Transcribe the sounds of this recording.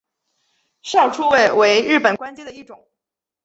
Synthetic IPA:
ʂjɑ˥˩ʊʈ͡ʂʰu˥we˥˩ɪwe˧˥ɪɻɻ̩˥˩pə˨˩nkwa˥nt͡ɕɛ˥nd̪ə˨˩i˥˩ʈ͡ʂʊ˨˩˦ŋ

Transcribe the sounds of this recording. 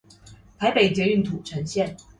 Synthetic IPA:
t̪ʰa˧˥ɪpe˨˩ɪt͡ɕjɛ˧˥y˥˩nt̪ʰu˨˩ʈ͡ʂʰə˧˥nɕjɛ˥˩n

